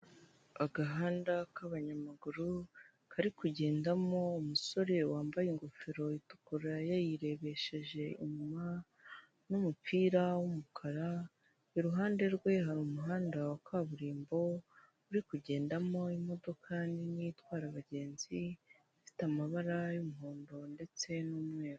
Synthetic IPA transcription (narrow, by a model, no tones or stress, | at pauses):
aɡaɦaːndakaβaɲamaɡuɾu | kʰaɾikuɟe̞ːndamo̞umuso̞ɾe̞waːmbajiŋɡo̞feɾo̞itu̥kuɾajajiɾe̞βe̞ʃe̞ʒe̞ḭɲuma | numupiːɾawumukʰaɾa | iɾuɦaːnde̞ɾɡwe̞ɦaɾumuɦaːndawakaβuɾiːmbo̞ | uɾikuɟe̞ːndamo̞imo̞do̞kʰaːndinijitwaːɾaβaɟe̞ːnz̥i | ifi̥tamaβaɾajumuɦoːndo̞nde̞t͡se̞nuːmŋe̞ːɾo